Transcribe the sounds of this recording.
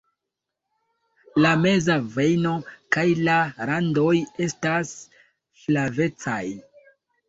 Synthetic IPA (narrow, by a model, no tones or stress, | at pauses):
lame̞zave̞jno̞kajlaɾando̞je̞stas | slave̞t͡saj